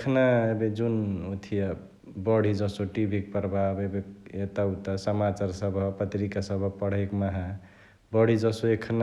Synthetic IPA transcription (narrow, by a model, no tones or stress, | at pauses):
kʰnaebed͡ʒunot̪ʰija | bɔɽ̤id͡ʒɔsoʈibʱik̚pəɾbʱabebeet̪aut̪asəmat͡ʃaɾsəbʱʌpət̪ɾikasəbʱʌpəɽ̤ekmaɦa | bɔɽ̤id͡ʒɔsoekʰna